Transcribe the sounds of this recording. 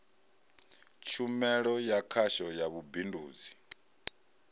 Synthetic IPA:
t͡ʃʰumɛɺɔjakʰaʃɔjaβubinduːd͡zi

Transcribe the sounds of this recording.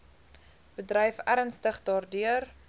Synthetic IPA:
b̥ədrəjfæɾənstəχdɑːrdyər

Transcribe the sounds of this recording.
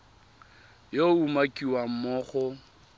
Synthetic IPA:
joumakʼiwam̩mɔːχɔ

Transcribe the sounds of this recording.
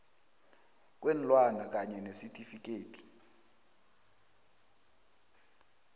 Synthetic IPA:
k̬ʼwen̩lwanak̬ʼaɲɛnesitʰʼifik̬ʼeːtʰʼi̥

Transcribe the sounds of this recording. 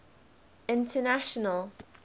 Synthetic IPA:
ɪ̃ntʰənaʃənəlˠ

